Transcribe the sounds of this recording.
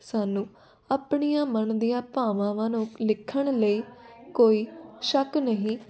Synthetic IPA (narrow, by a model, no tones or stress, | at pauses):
saːnũː | aːpɳijãːmənd̪ijãːpãːʋãːʋãːnũːlɪkʰːəɳləiːkoːiːʃəknəɦĩː